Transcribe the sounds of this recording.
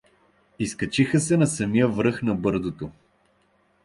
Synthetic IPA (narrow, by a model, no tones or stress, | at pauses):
iskɐt͡ʃixəsɛnɐsɐmijəvɾɤxnɐbɤɾzot̪o